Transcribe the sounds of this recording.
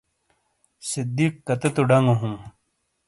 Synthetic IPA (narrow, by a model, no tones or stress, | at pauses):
sid̪iːkːɐt̪et̪uɖɐŋoɦũː